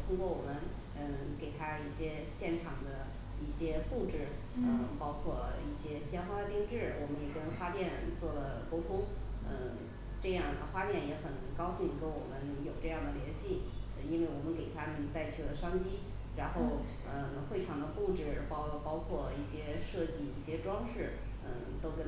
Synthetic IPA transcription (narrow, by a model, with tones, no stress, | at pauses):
t̪ʰʊ˥ŋkwɔ˥˩wɔ˨˩mə˦n | ə˥˧ke˨˩ɪt̪ʰa˥i˥˩ɕjɛ˥ | ɕjɛ˥˩nʈ͡ʂʰɑ˨˩ŋd̪ə˦ | i˥˩ɕjɛ˥fu˥˩ʈ͡ʂɻ̩˥˩ | ə˧pɑ˥ʊkʰwɔ˥˧i˥˩ɕjɛ˥ɕjɛ˥nxwa˥d̪ə˧t̪i˥˧ŋʈ͡ʂɻ̩˥˩wɔ˨˩mə˦njɛ˨˩kə˥nxwa˥t̪jɛ˥˧nt͡swɔ˥˩lə˩ko˥ʊt̪ʰʊ˥ŋə̰˧ | ʈ͡ʂɤ˥˧jɑ˥˩ŋd̪ə˩xwa˥t̪jɛ˥˩njɛ˧˥xə˨˩nkɑ˥ʊɕi˥˩ŋke˧˥nwɔ̰˨˩mə˦njo˨˩ʊʈ͡ʂɤ˥˧jɑ˥˩ŋd̪ə˩ljɛ˧˥nɕi˥˩ə˧i˥nwe˥˩ɪwɔ˨˩mə˦nke˨˩ɪt̪ʰa˥mə˨nt̪a˥˩ɪt͡ɕʰy˥˩lə˦ʂɑ˥ŋt͡ɕi˥ | ɻa˧˥nxo˥˧ʊ | ə˧ | xwe˥˩ɪʈ͡ʂʰɑ˨˩ŋd̪ə˦fu˥˧ʈ͡ʂɻ̩˥˩pɑ˥˧pɑ˥ʊkʰwɔ˥˧i˥˩ɕjɛ˥ʂɤ˥˧t͡ɕi˥˩i˥˩ɕjɛ˥ʈ͡ʂwɑ˥ŋʂɻ̩˥˩ | ə̰˧˩t̪o˥ʊkə˥